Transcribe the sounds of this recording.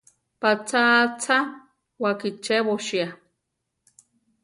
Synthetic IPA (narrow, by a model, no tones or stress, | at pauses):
pat͡sʰat͡sʰa | wakit͡ʃeβoʃia